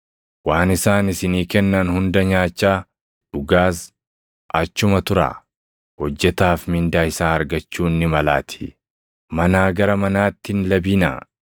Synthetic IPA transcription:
waːnɪsaːnɪsɪniːkɛnːɐnhʊnd̪ɐɲaːt͡ʃːaː | ᶑʊɡaːs | ʔɐt͡ʃːʊmɐt̪ʊɾa̰ː | hɔd͡ʒːɛt̪aːfmɪnd̪aːɪsaːɐɾɡɐt͡ʃːuːnːɪmɐla̰ːt̪ʰɪ̥ | mɐnaːɡɐɾɐmɐnaːt̪ːɪnlɐbiːna̰ː

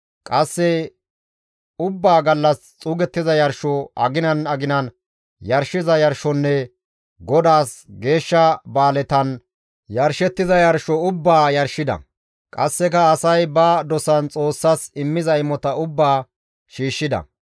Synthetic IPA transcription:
kʼɐsːɛ | ʊbːaːɡɐlːɐst͡sʼuːɡɛt̪ːɪzɐjɐɾʃɔʔɐ̰ɡɪnɐnɐɡɪnɐn | jɐɾʃɪzɐjɐɾʃɔnːɛ | ɡɔd̪aːsɡe̞ːʃːɐbaːlɛt̪ɐn | jɐɾʃɛt̪ːɪzɐjɐɾʃɔʊbːaːjɐɾʃɪd̪ɐ̰ | kʼɐ̰sːɛkɐːsɐjbɐd̪ɔsɐnt͡sʼo̞ːsːɐsɪmːɪzɐɪmɔt̪ɐʊbːaː | ʃiːʃːɪd̪ɐ̰

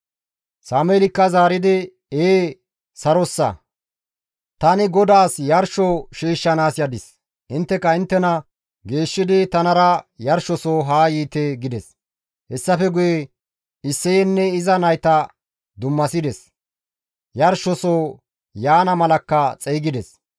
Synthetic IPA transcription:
saːmelɪkːɐzaːɾɪd̪ɪ | eː | sɐɾɔsːɐ̰ | t̪ɐnɪɡɔd̪aːsjɐɾʃɔʃiːʃːɐnaːsjɐd̪ɪs | ʔɪnt̪ːɛkːɐɪnt̪ːɛnɐ | ɡe̞ːʃːɪd̪ɪt̪ɐnɐɾɐjɐɾʃɔsoːɦaːjiːt̪eɡɪd̪ɛs | hɛsːɐfɛɡʊje | ɪsːɛjɛnːɛɪzɐnɐjt̪ɐ | d̪ʊmːɐsɪd̪ɛs | jɐɾʃɔsoː | jaːnɐmɐlɐkːɐt͡sʼɛːɡɪd̪ɛs

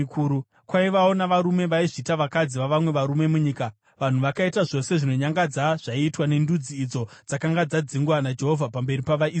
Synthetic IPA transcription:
kuːu | kwaiʋao̞naʋaɾume̞ʋaiʐitaʋakad͡ziʋaʋamwe̞ʋaɾume̞muɲiːka | ʋan̤uʋakaitaʐo̞se̞ʐino̞ɲaŋɡad͡zaʐ̥aiːtwane̞ndud͡ziːd͡zo̞ | d͡zakaŋɡad͡zad͡ziŋɡwanad͡ʒe̞ɦo̞vʱapambe̞ɾipaʋai

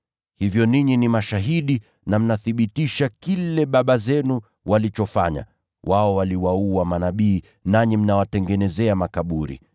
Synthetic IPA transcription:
hivjɔniɲinimaʃaɦiɗi | nam̩naθiɓitiʃakilɛɓaɓazɛnu | walit͡ʃɔfaɲa̰ | wʔaɔwaliwauamanaɓiː | naɲim̩nawatɛŋɡɛnɛzɛamakaɓuɾḭ

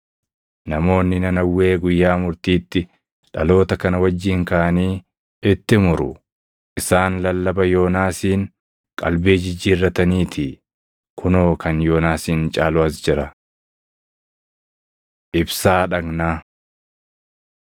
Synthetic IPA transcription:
nɐmo̞ːnːɪnɐnɐwːe̞ːɡʊjːaːmʊɾt̪iːt̪ːɪ | ᶑɐlo̞ːt̪ɐkɐnɐwɐd͡ʒːiːŋkɐʔɐniː | ɪt̪ːɪmʊɾʊ̰ | ʔɪsaːnlɐlːɐbɐjo̞ːnaːsiːŋ | kʼɐ̰lbeːd͡ʒɪd͡ʒːiːrːɐt̪ɐniːt̪ʰɪ | kʰʊnoːkʰɐnjo̞ːnaːsiːnt͡ʃʼaːlʊɐsd͡ʒɪɾɐ | ʔɪbsaːᶑɐɡnaː

